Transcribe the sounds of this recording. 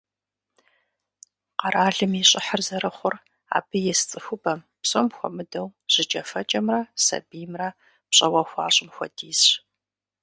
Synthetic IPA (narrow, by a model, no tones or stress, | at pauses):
qɐɾaːɮɨmiɕʼɪħarzɐɾɐχʷʊr | a̰ːbɨjɛst͡sʼɨxʷʊbɐm | psʼomxʷɔ̰mɨdɐwʑ̥ɪt͡ʃʼɐfɐt͡ʃʼɐmrɐsɐ̰bijmrɐ | pɕʼɐwɐxʷɑ̰ːɕʼɪmxʷɔ̰diːs